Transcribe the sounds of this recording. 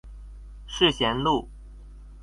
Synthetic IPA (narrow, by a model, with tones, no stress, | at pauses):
ʂɻ̩˥˩ɕjɛ˧˥nlu˥˩